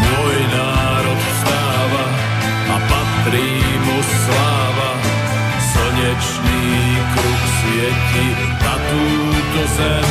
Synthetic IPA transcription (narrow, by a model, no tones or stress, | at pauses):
mɔjnaː | ɾɔt̪sɾaːʋa | apat̪ɾiːmu | slaːʋa | sɔɲɛt͡ʃniː | kɾuksɪɛci | t̪at̪ujuːcɛsɛ